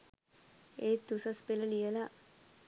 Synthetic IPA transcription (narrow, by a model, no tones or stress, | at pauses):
eːd̪usəspeləlijəla